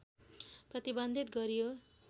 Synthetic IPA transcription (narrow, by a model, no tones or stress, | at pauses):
prʌt̪ibʌnd̪ʱit̪ɡʌɾijo